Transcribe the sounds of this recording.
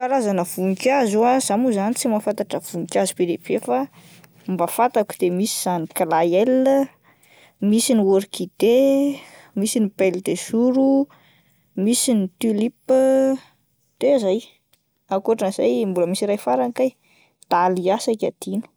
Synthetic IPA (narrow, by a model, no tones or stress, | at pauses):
kalazanəv̥unikazuazamuzanit͡simafant̪aʈ͡ʂəv̥uŋikʲazibeɾeb̥efa | mbafat̪aku̥d̪̥emisi̥z̥aniklajel | misinioɾikid̪̥e | misinipeld̪esuɾu | misinit̪ilip | t̪ezaj | akoʈ͡ʂanz̥a̰jmbuləmisiɾajfaɾaŋkaj | d̪̥aliasakʲad̪̥inu̥